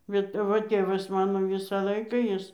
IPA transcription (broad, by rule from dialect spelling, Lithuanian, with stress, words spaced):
bʲɛt ɐˈʋɐ ˈtʲeːʋɐs ˈmɑːnoː ˈʋʲɪsɑː ˈlˠɐɪkɑː ˈjɪs